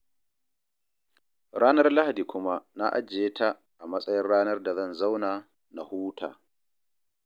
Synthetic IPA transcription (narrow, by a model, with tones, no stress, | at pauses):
ɽaː˦nɐ˦rla˦ha˨diː˨kʷʊ˦ma˦na˦ʔa̰˦d͡ʒeː˦ta˦ | ʔa˨mɐ˦sʼɐ˦jɪ˦nɽaː˦nɐ˦rda˨zɐ˦˨nza˦wnaː˨ | na˨huː˦tʰa̰ː˨